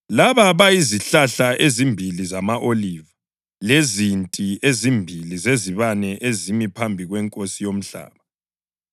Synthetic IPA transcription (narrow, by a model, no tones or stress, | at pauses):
laβaβajiziɬaɬaʔezimbʱilizamaʔoliva | lezintʼiezimbʱilizeziβanɛʔezimipʰambʱiɣwɛŋkʼosijom̩ɬa̰ːβa